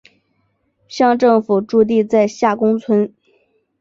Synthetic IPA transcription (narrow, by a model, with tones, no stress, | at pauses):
ɕjɑ˥˧ŋʈ͡ʂɤ˥˩ŋfu˨˩ʈ͡ʂu˥˧t̪̬i˥˧t͡sa˥˧ɪɕja˥˩kʊ˥ŋt͡sʰwə˥n